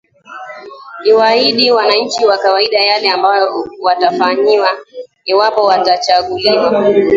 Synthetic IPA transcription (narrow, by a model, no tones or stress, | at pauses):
niwaiɗiwanaɲ̩t͡ʃiwakawaiɗajalɛambajɔwatafaɲiwa | iwapɔwatat͡ʃaɠuliwa